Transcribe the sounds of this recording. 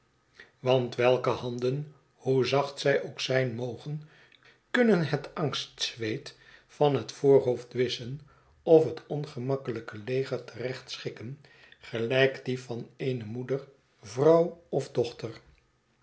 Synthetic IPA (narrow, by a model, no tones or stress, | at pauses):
ʋɑntʋɛlˠkəhɑndən | huzɑχtsɛjʔoʊwksɛjnmowχən | kɵnənɦətɑŋstsʋejtfɑnɦətfoːɹɦowftʋɪsən | ɔfɦətɔnχəmɑkələkəlejχəɹtʰərɛχtsχɪkən | χəlɛjkdivɑnejnəmudər | vrɑwɔvdɔχtər